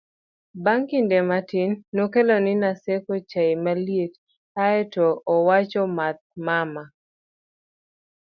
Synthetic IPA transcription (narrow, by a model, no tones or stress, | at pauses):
baŋkindematinːokelonɪnasekot͡ʃaimaljet | aɛtɔːwat͡ʃɔmat̪̚mama